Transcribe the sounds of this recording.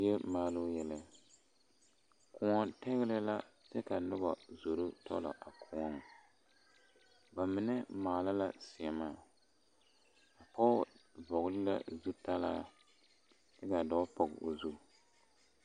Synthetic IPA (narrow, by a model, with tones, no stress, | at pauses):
jɛ˦maː˦lo˦jɛ˨la˨ | kʊ˨ŋɔ˦tɛ˦ɣɪ˦lɨ˦la˦tɛ˦ka˨nʊ˦ba˨zo˨ɾo˦tʰɔ̰˦la̰˨ʔa˨kʰʊ˨ŋɔ˦ŋ˨ | ba˨mɪ˨nɪ˦maː˨la˦la˦sɪ˨ɛ˨maː˦˨ | a˨pɔ˦vɔ˨ɣlɪ˦la̰˦zu˦ta˦laː˦ | tɨ˦ka˨dɔ˦pɔ˨ɣ̰o̰˨zu˦